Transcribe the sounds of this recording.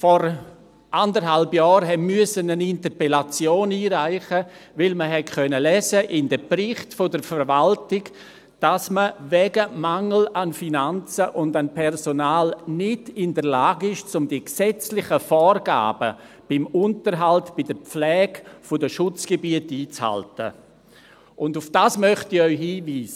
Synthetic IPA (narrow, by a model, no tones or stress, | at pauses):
fɔɾ | ʔandəɾɦalbjɔːɾɦɛmyəsənənɪntəɾpɛlat͡sjoːniːɾaɪχəvɪlməɦɛtkœnəlɛːzəʔɪndəpɾɪχtfodəɾfəɾʋaltɪɡ | d̥asməvɛːɡəmaŋl̩anfinant͡səʔʊndanpʰɛrsonaːlnɪdɪndəɾlaːɡɪʃt͡sʊmdiksɛt͡slɪχəfɔːrɡ̥a̰ːb̥ə | b̥ɪmʊntəɾɦaltb̥ɪdəp͡flɛːɡfʊdəʃʊt͡sɡ̥ebiətiːt͡sha̰ltə̰ | ʔʊndʊfd̥aːsmœχtɪœʏhiːviːsə